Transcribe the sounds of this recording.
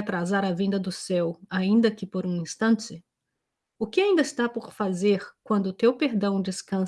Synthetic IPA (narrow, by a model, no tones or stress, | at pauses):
t̪ɾazaɾɐvẽnd̪ɐd̪ʊsɛwaĩnd̪ɐkɪpoɾũĩst̪ɐ̃nt͡ʃɪ | ʊkɪaĩnd̪ɐɪst̪apoɾfazeɾkwɐ̃nd̪ʊt̪ewpeɾd̪ɐ̃w̃d͡ʒɪskɐ̃